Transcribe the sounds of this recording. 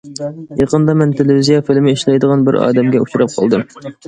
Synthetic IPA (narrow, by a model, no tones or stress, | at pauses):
jɑqənd̪ɑmɛnt̪ʰelɪvizijɑfɪlmɪiʃlɛjd̪əʁɑnbɪɾɑ̰ːd̪ɛmɡʲɛut͡ʃʰuɾɑp̚qʰɑ̰lˠd̪ɨm